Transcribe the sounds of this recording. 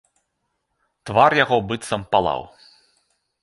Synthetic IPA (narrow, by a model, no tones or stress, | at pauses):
t̪varjaɣɔbɨt̪sɐmpalˠa̰w